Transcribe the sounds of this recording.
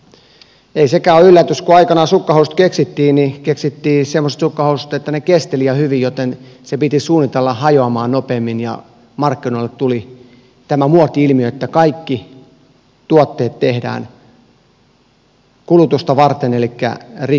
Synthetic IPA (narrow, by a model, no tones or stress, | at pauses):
eisekæːoylːæt̪yskuɑikɑnɑsukːɑhoust̪keksit̪ːiːnikeksit̪ːiːsemːose̥t̪sukːɑhousut̪et̪ːænekest̪eliɑhyʋijjot̪ensepit̪isuːnːit̪elːɑhɑjoɑmɑːnnopeːmːinjɑ̰ | mɑrkːinoilːett̪uli | t̪æmæmuot̪ːiilmiøet̪ːækɑikːi | t̪uot̪ːeːt̪t̪ehdæ̰ːn | kulut̪ust̪ɑʋɑrt̪enelikːæ̰ri